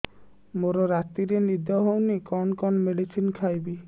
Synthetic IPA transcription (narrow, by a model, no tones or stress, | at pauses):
moɾɔɾat̪iɾenid̪ʱɔɦownikɔnkɔnɔmeɖisʰinkʰajbi